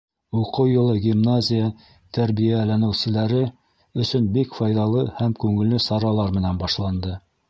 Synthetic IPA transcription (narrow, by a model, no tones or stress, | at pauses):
uqɤwjŏlˠɤɡʲimnazʲɪjə | t̪ʰæɾβijælænɘ̆wsɘ̆læɾɘ | ɵ̆sɵnbikfɑjðɑlˠɤhæmkʉŋɘ̆lːɘsɑɾɑlˠɑɾmɘ̆nænbɑʃlˠɑnd̪ɤ